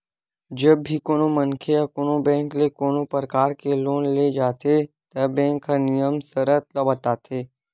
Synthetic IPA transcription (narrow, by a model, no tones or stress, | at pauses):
d͡ʒɐbʱikoːnomɐnkʰeakoːnobɛ̃ːŋklekoːnopəɾəkaːɾkeloːnled͡ʒaːt̪et̪ɐbɛ̃ːŋkənɪjəmsəɾət̪lɐbət̪aːt̪ʰeː